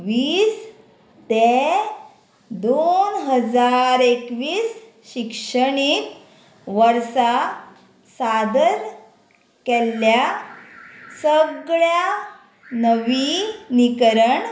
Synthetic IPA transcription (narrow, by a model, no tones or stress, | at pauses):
ʋiːs | t̪e | d̪onɦəd͡zaɾekʋiːs | ɕikʂəɳiːt̪ | ʋəɾsa | sad̪əɾ | kɛlːja | səɡɭja | nəʋinikɾəɳ